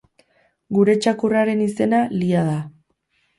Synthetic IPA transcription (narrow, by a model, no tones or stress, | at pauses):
ɡuɾe̞t͡ʃakuraɾe̞nise̞naliað̞a